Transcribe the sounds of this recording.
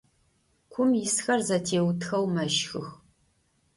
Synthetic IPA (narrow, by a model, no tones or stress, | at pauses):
kʷʰʊmjɪsxɐrzɐtʰeːwtʰxɐwmɐʃxɨx